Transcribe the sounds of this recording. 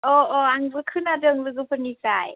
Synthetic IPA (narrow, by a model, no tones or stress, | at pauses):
ʔoːʔoːʔaŋbɯkʰɯnːadɯːŋlɯɡupʰənisaj